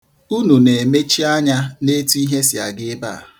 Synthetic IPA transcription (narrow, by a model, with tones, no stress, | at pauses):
u˦nu˨ne˨me˦t͡ʃi˦a˦ɲa˦ne˦tu˦i˦ɦe˦sɪ˨a̰˨ɡɪ˦ba̰ː˦˨